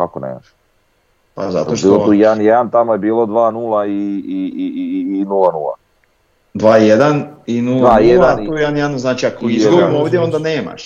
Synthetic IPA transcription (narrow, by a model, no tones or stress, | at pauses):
kakonḛːma̰ʃ | pa̰za̰t̪obiːllouːjɛd̪anjed̪ant̪amojebiːlod̪ʋaːnuːlˠaiiiːnulˠanṵːlˠa̰ | d̪ʋaːijed̪aninudːlvaːjedd̪at̪uːjed̪anjeanznaːt͡ʃiakoizzomovd̪jeo̞nd̪aneːma̰ʃ